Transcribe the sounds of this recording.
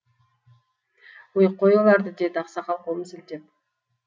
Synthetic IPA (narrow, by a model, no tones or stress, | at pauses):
wojqːojolˠɑɾd̪əd̪ed̪ɑqsɑχɑlˠqwolˠməsɪlt̪e̞p̚